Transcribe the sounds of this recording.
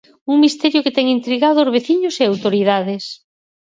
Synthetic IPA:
uŋmist̪ɛɾjʊket̪ɛŋint̪ɾiɣaðʊːzβeθiɲʊseawt̪oɾið̞aðes

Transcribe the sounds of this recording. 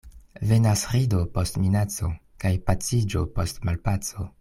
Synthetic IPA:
ve̞nasɾidopostminat͡so̞ | kajpat͡sid͡ʒopo̞stmalpat͡so̞

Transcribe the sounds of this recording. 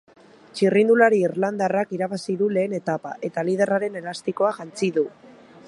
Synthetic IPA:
t͡ʃirind̪ulaɾiːɾland̪arakiɾaβasiðule̞ːne̞t̪apa̰ʔe̞t̪alið̞e̞raɾe̞ne̞last̪iko̞aʝant͡siðu

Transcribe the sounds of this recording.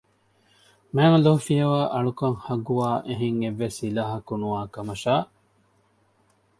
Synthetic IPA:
mæːnɐloɦufijɐʋaːʔɐɭukɐŋhɐɡuʋaːʔeɦeŋeʋːesilaːɦɐkunuaːkɐmɐʃaː

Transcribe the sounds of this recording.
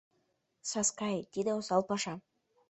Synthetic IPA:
sɑskɑjt̪ʲed̪eosɑlˠpɑʃɑ

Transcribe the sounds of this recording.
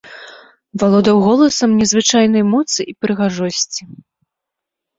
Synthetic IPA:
valˠɔd̪ɐwɣɔlˠɐsɐmnʲɛzvɨt͡ʂajnɐjmɔt̪sɨʔipɾɨɣaʐɔsʲt͡sʲi

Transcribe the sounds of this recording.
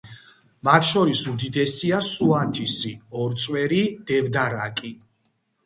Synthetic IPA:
mat̪ʰʃɔɾisumd̪id̪ɛsiasuat̪ʰisiɔɾt̪sʼwɛɾid̪̥ɛvd̪aɾakʼi

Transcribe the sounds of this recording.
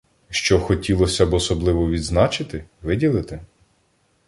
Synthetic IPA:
ʃt͡ʃɔxɔtʲilˠɔsʲɐbɔsɔblˠɪʋɔʋʲid̪znɑt͡ʃɪt̪ɪʋɪdʲilˠɪt̪ɪ

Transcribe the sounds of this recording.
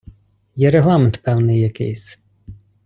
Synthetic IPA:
jɛɾeɦlˠɑment̪pɛwnɪjːɐkɪ̰jsʲ

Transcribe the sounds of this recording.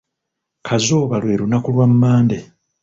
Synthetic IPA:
kʰazoːβalwe̞ːɾunakulwamːaːnde

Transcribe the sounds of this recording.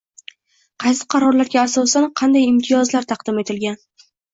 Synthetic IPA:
qʰɑjsɪ̥qʰɑɾɒɾlaɾɡʲaːsɒsanqʰɑnd̪ajɪmt̪ʰɪjɒzlaɾt̪ʰɑqd̪ɪme̞t̪ʰɪlɡʲan

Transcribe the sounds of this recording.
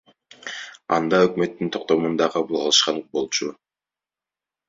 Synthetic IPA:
ɑ̰nd̪ɑøkmø̞t̪ːint̪ʰo̞q̚t̪o̞mund̪ɑqʰɑβɯlˠqʰɑlˠɯʃqɑɴbo̞lˠt͡ʃu

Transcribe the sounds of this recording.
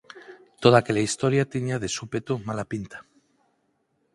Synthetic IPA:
t̪oð̞akeʎaist̪oɾjat̪iɲaðesupet̪umalapint̪ḁ

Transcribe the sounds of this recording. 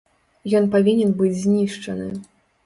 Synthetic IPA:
jɔnpavʲinʲɛnbɨd͡zʲzʲnʲiʂt͡ʂɐnɨ̰

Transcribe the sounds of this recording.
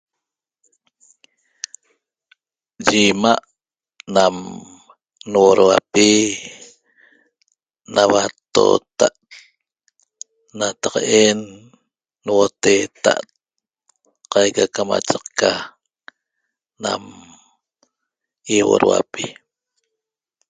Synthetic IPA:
d͡ʒimaʔ | nam | nwoɾwapi | nawat̪o̰ːt̪aʔ | nat̪aqenː | wot̪et̪aʔt̪̚ | qajkakama̰t͡ʃaqka | na̰m | iwo̰ɾwa̰pi

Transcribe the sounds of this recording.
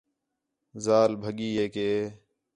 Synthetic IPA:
zaːlbʱəɠiːɦeːkeː

